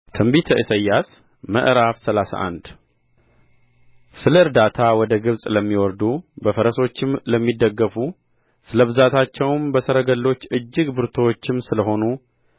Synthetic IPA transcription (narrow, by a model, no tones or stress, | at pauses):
t̪ʰɨmbit̪ʰəʔisəjːas | mə̰ʔɾafsəlasa̰ʔa̰nd̪ | sɨləɨɾd̪at̪ʰawɔd̪əɡɨβsʼləmːiwɔɾd̪ubəfəɾəso̞t͡ʃːɪmləmːid̪ːəɡːəfu | sɨləβɨzat̪ʰat͡ʃːɛwmbəsəɾəɡəlːo̞t͡ʃːɨd͡ʒːɨɡbɨɾt̪ʰowot͡ʃːɪmsɨləɦo̞nu